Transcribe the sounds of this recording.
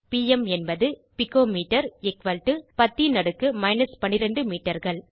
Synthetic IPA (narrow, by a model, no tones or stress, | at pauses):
piːɛmɛnbɐðɯpɪkːoːmiːʈːɐɾɛkʋɐlʈːɯpɐt̪ːinɐɽɯkːɯmɐɪnɐspɐɳːɪɾɐɳɖɯmiːʈːɐɾɣɐɭ